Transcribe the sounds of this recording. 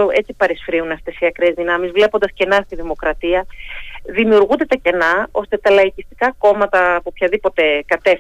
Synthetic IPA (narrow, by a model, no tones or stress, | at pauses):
oet͡ssipɐɾisfɾiunɐft̪e̞siɐkɾe̞zðinɐmizvle̞pond̪ɐsce̞nɐst̪iðimo̞kɾɐt̪iɐðimiuɾɣund̪e̞t̪ɐce̞nɐo̞st̪e̞t̪ɐlɐicist̪i̥kɐko̞mɐt̪ɐpopçɐðipo̞t̪e̞kɐt̪e̞f